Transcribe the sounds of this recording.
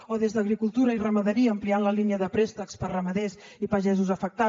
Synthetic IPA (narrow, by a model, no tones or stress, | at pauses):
oðezðəɣɾikulˠt̪uɾəirəməðəɾiəːmplianləliniəðəpɾɛst̪əkspərəməðezipəʒɛzuzəfək̚t̪a